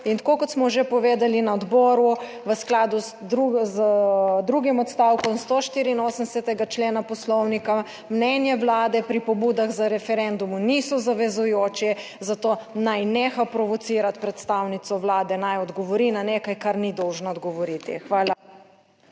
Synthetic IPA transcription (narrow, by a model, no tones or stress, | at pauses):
int̪akokɔt̪smɔʒepɔʋeːd̪alinaɔd̪bɔːɾu | ʋəsklaːd̪uzd̪ɾuzd̪ɾuɡimɔt̪st̪awkɔnst̪oʃt̪iːɾiːnoːsənd̪ɛsɛt̪ɛɡat͡ʃleːnapɔslɔwnika | mnɛnjɛʋlaːd̪ɛpɾipɔbud̪aɣzaɾɛfɛɾɛnd̪umunisɔzaʋɛzujoːt͡ʃɛ | zat̪oːnajneːxapɾɔʋɔt̪siːɾat̪pɾɛt̪st̪awnit̪sɔʋlaːd̪ɛnajɔd̪ɡɔʋɔɾinanekajkaɾnid̪ɔwʒnaɔd̪ɡɔʋɔɾit̪ḭxʋaːla